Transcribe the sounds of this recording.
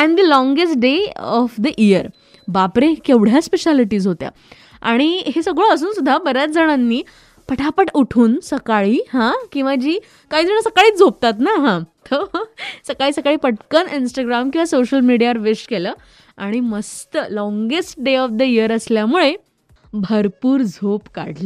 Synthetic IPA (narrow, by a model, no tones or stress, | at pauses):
ɛ̃ɳd̪ilɔ̃ŋɡes̬ʈ̚ɖeɔfd̪əʔiəɾ | bapɾekewɽ̤jaspeɕaliʈiːzɦot̪ja̰ | aɽ̃iɦesəɡɭəəs̬uːnsud̪ʱːabəɾjat͡s̚d͡zəɽ̃anːiː | pəʈʰapəʈuʈʰuːnsəkaɭiːɦãkĩw̃ʋad͡ʑiː | kaɦiːd͡zəɳ̃əsəkaɭiːd͡zʱop̚t̪at̪naɦãt̪ʰəsəkaɭiːsəkaɭiːpəʈkəninsʈaɡɾamkĩw̃ʋasoɕəlmiɽijaʋəɾʋesʈkeləː | aɽ̃iməst̪əlɔ̃ŋɡesʈ̚ɖeɔfd̪əijəɾəsljamuɭe | bʱəɾpuːɾd͡zʱopkaɽlə